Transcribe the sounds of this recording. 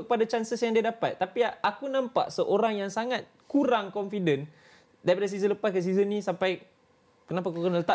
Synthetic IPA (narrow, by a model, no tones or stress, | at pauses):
kəpadat͡ʃansəsjaŋdiadapat̪ːapiakunãmpa̰ʔsəʔoɾaŋjaŋsaŋat̪̚kuɾaŋkɔnfidən | daɾip̬adas̬izənləpaskəs̬izənːĩsampaj | kənap̬akukənələt̪a